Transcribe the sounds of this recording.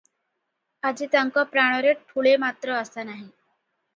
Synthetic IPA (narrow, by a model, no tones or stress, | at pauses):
ad͡ʑit̪jaŋkɔpɾaɽ̃ɔɾeʈʰuɭemat̪ɾəəsanaɦi